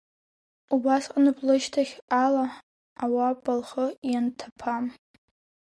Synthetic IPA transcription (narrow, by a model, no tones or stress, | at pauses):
ubasqʼanɨblɨʃtʰaχʲalaː | wabʼalχəjantʰapʰam